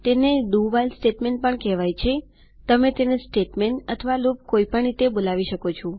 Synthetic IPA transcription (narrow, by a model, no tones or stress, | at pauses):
t̪eneɖuʋalsʈeʈmeɳʈ̚pəɳkɛʋajt͡ʃʰe | t̪əmet̪enesʈeʈmeɳʈət̪ʰəʋalup̚koipəɳɾit̪ebolaʋiʃəkot͡ʃʰũ